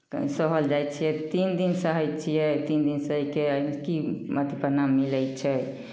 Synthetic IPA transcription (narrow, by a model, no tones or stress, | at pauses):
səɦəld͡ʒajtt͡ʃʰijɛt̪ind̪insəɦəjtt͡ʃʰijɛt̪ind̪insəikekimət̪ipəɾnamːiləjt͡ʃʰɛ